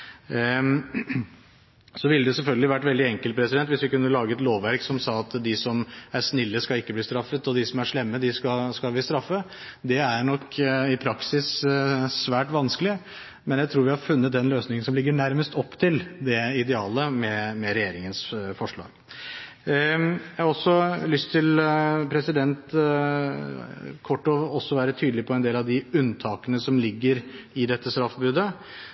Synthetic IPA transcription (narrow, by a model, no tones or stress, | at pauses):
sɔʋɪlːəd̪ɛsɛlfœlɡəlɪʋæʈːʋɛld̪ɪɛŋkəlt̪̚pʰɾɛsɪd̪ɛnt̪ʋɪsʋɪkʉnːəlɑːɡəɛt̪loːʋʋæɾksɔmsɑːɑt̪d̪ɪsɔmæʂnɪlːəskɑlɪkːəbliːst̪ɾɑfːət̪ɔd̪ɪsɔmæʂɭɛmːəd̪ɪskɑskɑlʋɪst̪ɾɑfːə | d̪ɛæɾɳɔkːɪpʰɾɑksɪssʋæːʈʋɑnskəlɪ | mɛnjæɪt̪ʰɾuːɾʋɪhɑɾfʉnːət̪̚d̪ɛnløːsnɪŋənsɔmlɪɡːəɳæɾməst̪ɔpːt̪ʰɪld̪ɛɪd̪ɛɑːləmɛmɛɾɛjeːɾɪŋənsfɔʂɭɑ̰ːɡ | jjæhɑɾɔsɔlʏst̪ʰːɪlpʰɾɛsɪd̪ɛnt̪ | kʰɔʈːoːɔsːɔʋæːɾət̪ʰyːd̪lɪpʰɔɛnd̪eːlɑʋd̪ɪʉnːt̪ʰɑːkənəsɔmlɪɡːəɾɪd̪ɛt̪ːəst̪ɾɑfːbʉːd̪ə